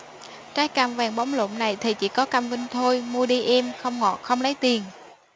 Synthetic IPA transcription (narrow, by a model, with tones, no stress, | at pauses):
kaː˨˦˥jkaː˧˩mvaː˨˩ŋɓɔ˨˦wŋ͡mlo̰˧˨ŋ͡mna˨˩jt̪ʰi˨˩t͡ɕḭ˧˥kɔ˨˦ka˧mvï˧ŋt̪ʰo˧jmu˧əɗi˧ʔɛ˧mxə˧wŋ͡mŋɔ̰˨˩t̚xə˧wŋ͡mlə˨˦jt̪i˨˩ən